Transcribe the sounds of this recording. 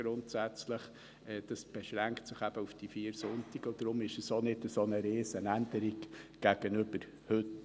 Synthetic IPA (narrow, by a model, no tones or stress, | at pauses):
ɾʊntsæt͡sləχ | ɛːd̥ɑsb̥ɛʃɾæŋktsɪχæb̥əufd̥ifiːəɾsʊntiɡ̥əd̥̪ɾʊmɪʃəsonɪdəsonəɾeːsənændəɾiɡɡ̥æɡ̥ənʏbəɾ | hʏt